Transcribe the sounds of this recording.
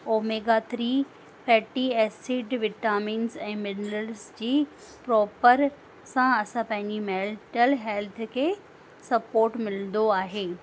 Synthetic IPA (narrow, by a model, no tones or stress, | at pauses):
oːmeːɡat̪ʰɾiː | fʰɛːʈiɛːsiɖʋɪʈaːmiːnzɛ̃ːmɪnɾəlzd͡ʑiː | pɾɔːpəɾ | sãɐsãpɐ̃ɦɪ̃ɲd͡ʑimɛːlʈəlɦɛːlt̪ʰkʰeː | sɐpoːɾʈmɪlnd̪oaːɦeː